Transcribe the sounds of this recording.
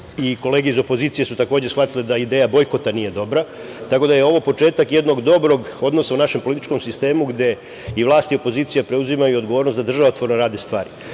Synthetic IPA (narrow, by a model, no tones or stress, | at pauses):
iko̞leːɡeizo̞po̞ziːt̪sijesut̪ako̞ːd͡ʑesxʋat̪iled̪aid̪eːjabo̞jko̞t̪anije̞d̪o̞bɾa | t̪ako̞d̪ajeo̞ʋo̞po̞t͡ʃe̞ːt̪akje̞d̪no̞ɡd̪o̞bɾo̞ɡo̞d̪no̞saunaʃe̞mpo̞lit̪i̥t͡ʃko̞msist̪e̞ːmuɡd̪e̞ | iʋlˠaːst̪io̞po̞ziːt̪sijapɾe̞uzimajuod̪ɡoʋo̞ːɾnost̪ad̪r̩ʒaʋaot̪ʋo̞ɾnoɾaːd̪est̪ʋaːɾi